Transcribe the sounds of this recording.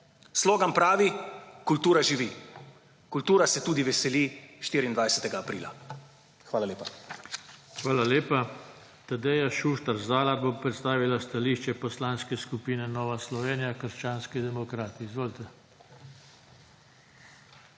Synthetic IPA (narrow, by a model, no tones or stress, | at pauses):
sloːɡampɾaːʋikult̪uːɾaʒiʋi | kult̪uːɾasɛt̪uːd̪iʋɛsɛliʃt̪iːɾind̪ʋajsɛt̪ɛɡaːpɾḭːla̰ | xʋaːlaleːpa | xʋaːlaleːpa | t̪ad̪ɛjaʃuʃt̪aɾzaːlabopɾɛt̪st̪aːʋilast̪aliːʃt͡ʃɛpɔslaːnskɛskupiːnɛnɔːʋaslɔʋeːnijakəɾʃt͡ʃaːnskid̪ɛmɔkɾaːt̪iizʋoːlt̪ɛ